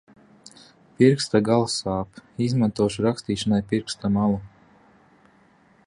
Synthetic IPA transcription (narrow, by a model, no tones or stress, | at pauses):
piɾkst̪aɡalˠsaːpizmant̪uɔʃuɾakst̪iːʃanajpiɾkst̪amalˠu